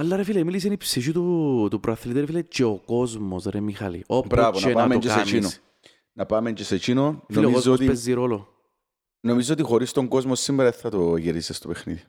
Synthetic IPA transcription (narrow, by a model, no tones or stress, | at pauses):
ɐlːɐɾefilemilis̬enipsiʃ̬ut̪ut̪upɾoɐθnit̪iɾefilet͡ʃeokozmosɾemixɐ̰lḭobɾavonɐepameod͡ʒksaent͡ʃino̥ | nɐpɐmeɲd͡ʒeset͡ʃinoolomkozoost̪ipezːiɾolo | nomizːoːt̪ixoɾist̪oŋɡozmosːimːeɾɐeθɐt̪oʝiɾisest̪opexnḭði